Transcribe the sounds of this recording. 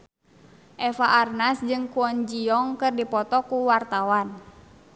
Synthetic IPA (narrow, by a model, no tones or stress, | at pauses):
ʔɛfaʔːrnasd͡ʒɨŋkuɔnd͡ʒiɔŋkɨrdipɔt̪ɔkuwart̪awan